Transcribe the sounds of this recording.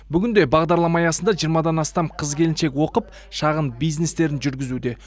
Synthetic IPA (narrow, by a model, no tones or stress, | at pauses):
bʏɡʲɪnd̪e̞bɑʁd̪ɑɾlˠɑmɑjɑsənd̪ɑʒijəɾmɑd̪ɑnɑst̪ɑmqʰəzkʲʰe̞lɪnʃe̞kʲwo̞qəp | ʃɑʁənbijzne̞st̪e̞ɾɪnʒʏɾɡʲɪzud̪e̞